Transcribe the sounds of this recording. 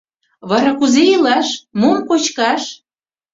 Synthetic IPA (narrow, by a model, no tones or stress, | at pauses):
βɑɾɑkuzeilɑʃmomkot͡ɕkɑʃ